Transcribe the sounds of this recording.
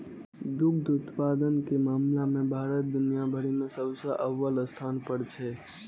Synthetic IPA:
d̪ukd̪ut̪pad̪ənkemaːmlamẽbʱaɾət̪̚d̪unijabʱəɾimesəbsə̃ʔəʋːələst̪ʰanpəɾt͡ʃʰɛ

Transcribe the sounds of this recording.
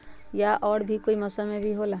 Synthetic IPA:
jaʔɔːɽbʱikoːimɐsamẽbʱiɦoːlaː

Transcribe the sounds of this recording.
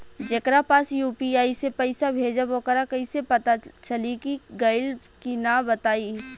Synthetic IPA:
d͡ʒekɾapaːsjuːpiaːisepɐɪsabʱeːd͡ʒaboːkəɾakɐisepɐt̪at͡ʃɐlikiɡaɪl | kinabɐt̪aːi

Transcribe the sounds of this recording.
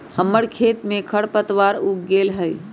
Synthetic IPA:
həmːəɽkʰet̪mẽkʰəɽpət̪ʋaɾukɡelɦəj

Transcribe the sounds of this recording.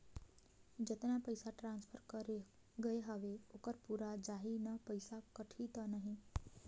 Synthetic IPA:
d͡ʒət̪napəjsaʈɾanspʰəɾkəɾe | ɡəeɦəʋeokəɾpuɾad͡ʒaɦinəpəjsakəʈʰit̪ənaɦĩ

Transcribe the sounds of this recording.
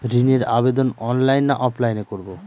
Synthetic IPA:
ɾineɾabed̪onɔnlajnːaʔɔplajnekoɾbo

